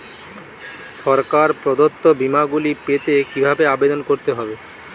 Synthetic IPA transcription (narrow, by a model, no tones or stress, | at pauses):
ʃɔɾkaɾpɾod̪ot̪ːobimaɡulipet̪ekibʱabeabed̪onkoɾt̪eɦɔbe